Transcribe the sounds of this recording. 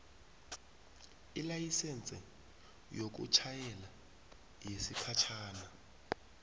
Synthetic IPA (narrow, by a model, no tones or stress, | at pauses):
ilajisɛnt͡sʼɛ | jok̬ṵt͡ʃʰajɛla | jesipʰat͡ʃʰaːna